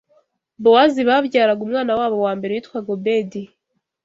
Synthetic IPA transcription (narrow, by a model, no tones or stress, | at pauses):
bowaziβaβɟaːɾaɡumŋaːnawaːβo̞waːmbe̞ɾewiːtkwaɡobedi